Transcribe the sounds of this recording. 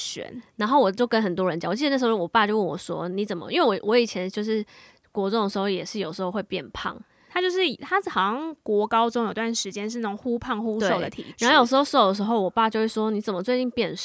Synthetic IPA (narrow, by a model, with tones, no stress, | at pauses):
ɕɥɛ̰˧˥˦nna˧˥nxo˥˩ʊwɔ˨˩t͡ɕjo˥˩ʊkə˦nxə˨˩nt̪̬wɔ˦˥ɻə˧˦nt͡ɕɑ˨˩ŋ˨˩i˥˧˦n˥˩ʂ̩˧˥˩wɔ˨˩pa˥˧t͡ɕjʊwə˥˩nwɔ̰˨˩ʂwɔ̰˦˥ni˧˥t͡sə˨˩mə̰˦ʔi˥we˥˩wɔ˨˥wɔ˧˥i˨˩t͡ɕʰjɛ˧˦nt͡ɕjo˥˧ʊʂɻ̩˥˩ | kwɔ˧˥t͡so˥ŋ˥də˩ʂ̩˧˥xo˥˩jɛ˨˩ʂɻ̩˥˩jo˨˩ʊʂ̩˧˥xo˥˧xwe˥˧ɪpjɛ˥˧npʰɑ̰˥˩ŋ | t̪ʰa˥t͡ɕjo˥˧ʊʂɻ̩˥˩˨t̪ʰa˥˩xɑ˨˩ʊɕɑ˥˩ŋkwɔ˧˥kɑ˥ʊt͡sʊ˥ŋjt̪wa˥˩nʂɻ̩˧˥t͡ɕjɛ˥nʂ̬ɻ̩˥˧nə˥˩˨ŋxu˥pʰɑ˥˩ŋxu˥e˥o˥˩ʊd̪ə̰˨˩t̪ʰḭ˨˩a˧˦nxo˥˩jo˨˩ʂɻ̩˧˥xo˥˧ʊʂo˥˩ʊd̪ə˩ʂ̬ɻ̩˧˥xo˥ʊwɔ˨˩pa˥˧t͡ɕo˥˧we˥˩ʂwɔ˥ni˧˥t͡sə˨˩mə˦˩t͡swe˥˧ɪt͡ɕi˥˧ŋpjɛ˥˧n